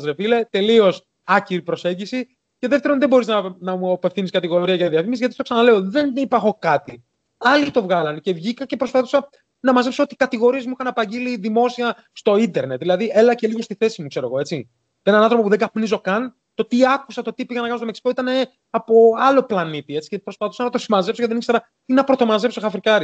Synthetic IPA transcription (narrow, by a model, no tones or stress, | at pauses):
ɐzɾefile̞t̪e̞lio̞s | ɐciɾipɾo̞se̞ɲɟisi | ce̞ðe̞ft̪e̞ɾo̞nðebo̞ɾiznɐnɐmuɐpe̞fθiniskɐt̪iɣo̞ɾiɐʝɐiðiɐfimizʝɐt̪ist̪osɐnɐle̞oðe̞nipɐxo̞kɐt̪i | ɐlit̪o̞vɣɐlɐnce̞vʝikɐce̞pɾo̞sfaθosɐ | nɐmɐzepsoo̞t̪ikɐt̪iɣo̞ɾie̞zmuixɐnɐpɐɲɟiliðimo̞siɐ | st̪o̞ind̪e̞ɾnet̪ðilɐðie̞lɐce̞liɣost̪iθe̞simukse̞ɾoɣo̞e̞t͡si | enɐnɐnθɾo̞p̬opuðeɡɐpnizo̞kɐn | t̪o̞t̪iɐkusɐt̪o̞t̪ipiʝɐnɐkɐnost̪omesi̥ko̞it̪ɐne̞ | ɐpo̞ɐlo̞plɐnit̪ie̞t͡si̥cepɾo̞spɐθu̥sɐnɐt̪o̞simɐze̞psoceðeiksɐ | t̪inɐpɾo̞t̪o̞mɐze̞psoxɐfɾikɐɾi